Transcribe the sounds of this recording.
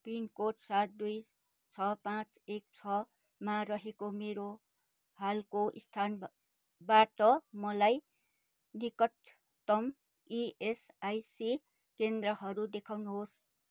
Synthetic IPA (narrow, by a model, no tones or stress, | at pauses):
pinkoʈsat̪̚d̪uj | t͡sʰʌpãt͡s | ek̚t͡sʰʌ | maɾʌɦekomeɾo | halkoʔist̪ʰan | baʈʌmʌlaj | nikʌt̪ː | ʌm | ies | ajsi | kend̪rʌɦʌɾud̪ekʰawnuɦos